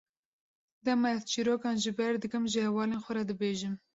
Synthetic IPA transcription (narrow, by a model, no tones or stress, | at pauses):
d̪ɛmɛθt͡ʃʰiɾoːkɑːnʒɨbɛɾd̪ɨkɨmʒɨhɛwɑːleːnxʷɔɾɛd̪ɨbeːʒɨm